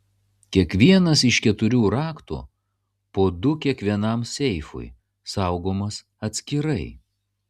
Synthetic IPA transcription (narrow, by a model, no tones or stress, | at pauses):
kʲiɛkʋʲiɛnɐsɪʃkʲɛt̪ʊɾʲuːɾɑːkt̪ṵː | poːd̪ʊkʲiɛkʋʲiɛnɐmsʲɛɪfʊ̰j | sɑˑʊɡoːmɐs | ɐt̪ʲsʲkʲɪɾɐɪ